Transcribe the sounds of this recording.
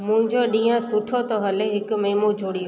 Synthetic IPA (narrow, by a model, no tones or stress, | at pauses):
mʊ̃ɦɪ̃ɲd͡ʑoɗĩːãsʊʈʰot̪ɔɦɐleɦɪkmeːmod͡ʑʱoːɽijo